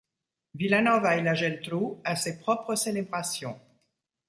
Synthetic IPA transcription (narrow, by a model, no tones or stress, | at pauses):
vilanɔvailaʒɛlt̪ɾuasepχɔpχəselebʁasjɔ̃